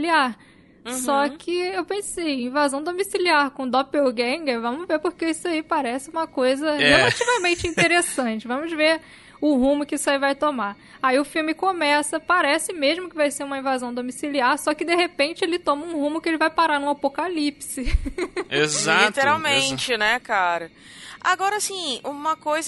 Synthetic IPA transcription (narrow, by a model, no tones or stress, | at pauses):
liaɾ | sɔkʰɪewpẽsejĩvazɐ̃w̃d̪omisiliaɾkõd̪ɔpewɡẽŋɡevɐ̃mʊveɾpoɾkeisaipaɾɛsɪũmɐkojzɐhelat͡ʃivɐmẽnt͡ʃɪĩt̪eɾesɐ̃t͡ʃɪvɐ̃mʊzveɾ | ʊɦũmʊkɪisaivajt̪oma | aiʊfiwmɪkomɛsɐpaɾɛsɪmeʒmʊkɪvajseɾũmɐĩvazɐ̃w̃d̪omisiliaɾsɔkɪd̪ehepẽnt͡ʃɪelɪt̪õmɐũhũmʊkɪelɪvajpaɾaɾnũapokalipsɪ | ezalit̪eɾawmẽt͡ʃɪnɛkaɾɐ | a̰ɡɔɾɐasĩũmɐkojz